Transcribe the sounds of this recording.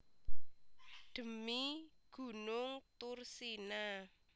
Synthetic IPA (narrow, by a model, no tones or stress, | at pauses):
d̪̥ə̤miɡ̥ṳnʊŋt̪ʊrsina